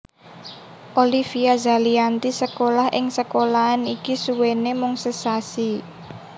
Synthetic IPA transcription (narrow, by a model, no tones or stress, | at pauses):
ʔolifiaza̤liant̪isəkolahʔɪŋsəkolaːnikisuwenemʊŋsəsasi